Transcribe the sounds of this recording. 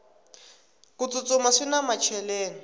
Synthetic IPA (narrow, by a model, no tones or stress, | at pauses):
kut͡sut͡sʊmaʂinamat͡ʃʰɛleːni